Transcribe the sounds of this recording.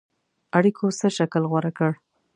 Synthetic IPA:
aɽikʰosəʃaklɣwaɾakəɽ

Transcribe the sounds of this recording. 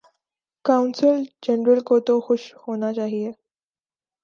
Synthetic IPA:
kawnsəld͡ʑenɾəlkot̪oxoɕhoñat͡ɕaɦije

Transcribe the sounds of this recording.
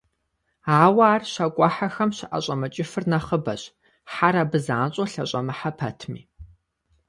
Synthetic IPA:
aːwaaːrɕɐkʷʼɑħaxɐmɕɪʔɐ̰ɕʼɐmɐt͡ʃʼɪfɨrnɐχəbɐɕ | ħaɾabɨza̰ːnɕʼoɬɐɕʼɐmɨħapʰɐtʰmḭː

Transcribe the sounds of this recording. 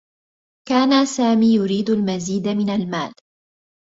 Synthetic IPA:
kaːnasaːmiːjʊɾiːd̪almaziːd̪mɪnalmaːl

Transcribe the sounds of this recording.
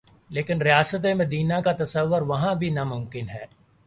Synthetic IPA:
leːkɪnɾijaːsət̪̬emɐd̪iːnakat̪ɐsəʋːʊɾʋɐɦãbʱinamʊ̃mkɪnɦɛː

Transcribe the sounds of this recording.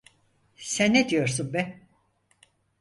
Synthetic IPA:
sænːed̪ijo̞ɾsunbɛ

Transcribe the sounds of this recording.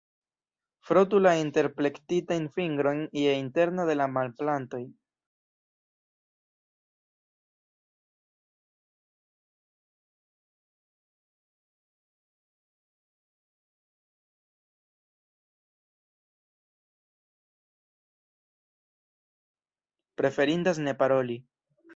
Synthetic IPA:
fɾot̬ulainte̞ɾple̞ktitajnfiŋɡɾo̞jnijeinte̞ɾnode̞lamalplanto̞j | pɾe̞fe̞ɾind̪asne̞paɾoli

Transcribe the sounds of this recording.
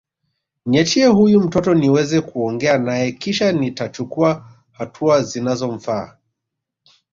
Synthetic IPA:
ɲɛt͡ʃiɛhujum̩tɔtɔniwɛzɛkuɔŋɡɛanajɛkiʃanitat͡ʃukua | hatʰuazinazɔɱ̩fa̰ː

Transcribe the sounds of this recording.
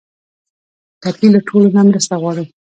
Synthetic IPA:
t̪apilaʈʰolonamɾəst̪aɣwɑɽu

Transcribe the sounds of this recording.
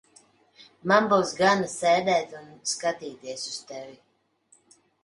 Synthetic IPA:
manbuwsɡanasɛːd̪ɛːt̪unskat̪iːt̪iɛsust̪ɛvi

